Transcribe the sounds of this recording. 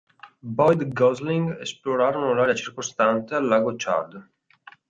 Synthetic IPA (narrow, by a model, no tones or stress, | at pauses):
bɔjd̪ɡɔzliŋɡesploɾaːɾonolaːɾeat͡ʃirkost̪ant̪ealːaːɡot͡ʃa̰ɾd̪